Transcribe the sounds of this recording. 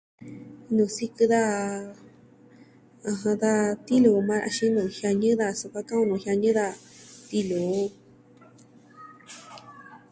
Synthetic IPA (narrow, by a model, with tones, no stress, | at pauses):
nũ˨si˦kɨ˧ða˦ | ã˧ɦã˧ða˦t̪i˦lu˨˧mã˦ɾa̰˧ʃĩ˦nũ˨˧hja˧ɲɨ̃˦ða˧su˧˨kʷa˦kã˦ũ˧nũ˨hja˧ɲɨ̃˦ða˧t̪i˧lu˨˦